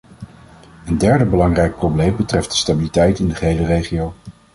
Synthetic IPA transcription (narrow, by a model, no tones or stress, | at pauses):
əndɛɹdəbəlɑŋrɛjk̚problejmbətrɛft̚d̥ə̥stabilitɛjtɪndəχəɦejlərejχiow